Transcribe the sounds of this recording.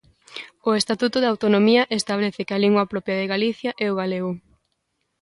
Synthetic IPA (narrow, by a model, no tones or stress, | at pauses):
ʊest̪at̪ut̪ʊðawt̪onomiɐʔest̪aβ̞leθɪkɪaliŋɡwɐpɾɔpjɐð̞eɣaliθjɐʔɛoɣaleɣʊ